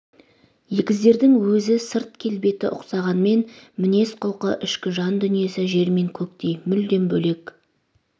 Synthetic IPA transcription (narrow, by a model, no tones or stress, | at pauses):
jekʲɪzd̪e̞ɾd̪ɪŋwɵzɪsɪɾt̪̚kʲʰe̞lbe̞t̪ɪʔʊqsɑʁɑnme̞nmɪne̞sqʰoqəʔɪʃkʲɪʒɑnd̪ʏnije̞sɪʒe̞ɾme̞ŋkʲʰɵkt̪e̞jmʏld̪e̞mbɵle̞k